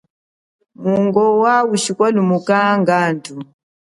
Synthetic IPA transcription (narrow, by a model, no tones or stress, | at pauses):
muŋɡɔwawuʃikwɔlumukaŋɡantu